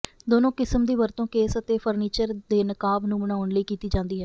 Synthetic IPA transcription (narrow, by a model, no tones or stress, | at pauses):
d̪oːnõːkɪsmd̪iːʋəɾt̪õːkeːsət̪eːpʰəɾniːt͡ʃəɾd̪eːnəkaːbnũːbəɽ̃aːʊnləiːkiːt̪iːd͡ʒãːnd̪iːɦɛː